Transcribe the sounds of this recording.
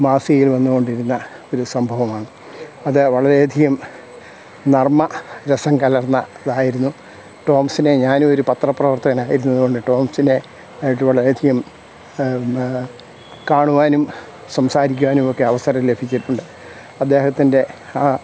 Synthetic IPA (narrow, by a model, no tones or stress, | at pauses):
maːsijilʋɐnːuɣo̞ɳɖiɾunːɐo̞ɾusɐmbʱɐʋɐmaːɳɨ | ɐðɨʋɐɭɐɾeːd̪ʱiɣɐm | nɐrmɐɾesɐŋkɐlɐrɐnːɐ | ðaːjiɾunːu | ʈo̞ːmɐsineɲaːno̞ɾupɐt̪rɐprɐʋɐrt̪ɐɣɐnaːjiɾunːɐðuɣo̞ɳɖɨʈo̞ːmɐsine̞ | ajiʈ̬ːɨʋɐɭɐɾeɐd̪ʱiɣɐm | kaːɳuʋaːnum | sɐmsaːɾikʲːuʋaːnumo̞kːe̞ɐʋɐsɐɾɐt̪ːilebʱit͡ɕːiʈːuɳɖɨ | ɐd̪ːe̞ːhɐt̪ːinde̞ | aː